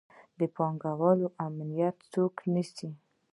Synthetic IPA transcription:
d̪əpɑŋɡawɑloʔamlijat̪t͡soknisi

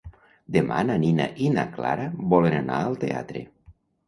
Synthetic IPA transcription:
d̪ema̰nanina̰ʔina̰kla̰ɾabɔlenana̰əlˠt̪ea̰t̪ɾḛ

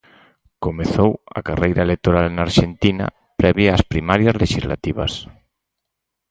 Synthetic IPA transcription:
komeθowɐ̰karejɾaelek̚t̪oɾalnaɾʃent̪ina̰ | pɾɛβjaːspɾimaɾjazleʃizla̰t̪iβa̰s

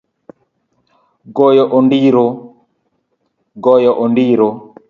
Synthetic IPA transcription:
ɡɔjɔʔɔndiɾo | ɡɔjɔʔɔndiɾo

